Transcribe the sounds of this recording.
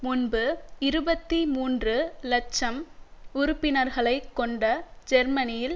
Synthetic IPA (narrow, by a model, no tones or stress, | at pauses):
mʊnbɯɪɾɯbɐt̪ːimuːndrɯlɐt͡ʃːɐmʊɾʊpːɪnɐɾɣɐɭɐɪkːɔɳɖɐd͡ʒɛɾmɐnɪjɪl